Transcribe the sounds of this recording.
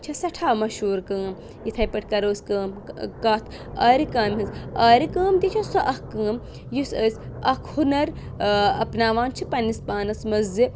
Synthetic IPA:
t͡ʃʰɐsɐʈʰaːmɐʃuːɾkɐːm | jit̪ʰɐjpɐʈ̚ʰkɐɾoːskɐːmkaːt̪ʰ | ɐɾikaːmɦinzɐːɾikəːmt̪it͡ʃʰɐsɐʔɐhkəːm | jusəːsʲɐkʰhunɐɾɐ̰pnaːʋaːnt͡ʃʰipɐnispaːnɐsmɐzi

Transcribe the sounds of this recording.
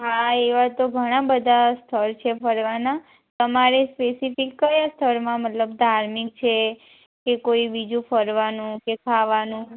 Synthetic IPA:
ɦaeʋat̪oɡʱəɽ̃ãbəd̪ʱast̪ʰəɾt͡ʃʰefəɾʋana | t̪əmaɾespesifikːəjast̪ʰəɾmãmət̪ləb̚d̪ʱaɾmik̚t͡ʃʰe | kekoibid͡ʒũfəɾʋanũkekʰaʋanũ

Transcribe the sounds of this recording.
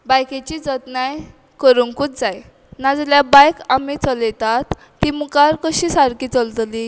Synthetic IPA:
bajket͡ɕid͡zət̪naj | kəɾuŋkut̪̚d͡zaj | nad͡zljabajkamit͡sɔlet̪at̪ː | imukaɾkəɕisaɾkiːt͡səlt̪li

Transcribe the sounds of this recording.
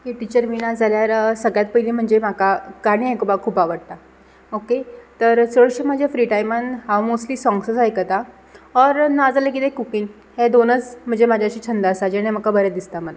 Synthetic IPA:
ɦeʈit͡ɕəɾʋiɽ̃ad͡zʱaljaɾsəɡɭjat̪̚pəilim̤əɳd͡zemakakaɽ̃iajkobakʰuːpaʋəɽt̪a | oket̪əɾt͡səɭɕemad͡ʑʱjafɾiʈajmənɦawmosʈliːsɔ̃ŋɡsəsajkət̪a | ɔɾnad͡zalek̬it̪ekukiŋ | hed̪onət͡sm̤əɳd͡zemad͡ʑʱjaɕiːt͡ɕʰənd̪asad͡ʑeɽ̃em̤əkabəɾɛd̪ist̪am̤əla

